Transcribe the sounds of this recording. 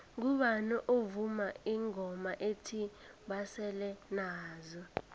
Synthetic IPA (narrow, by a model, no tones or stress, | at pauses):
ŋuɓanɛʔovumaiŋɔmaʔetʰi | ɓasɛlɛnaːzɔ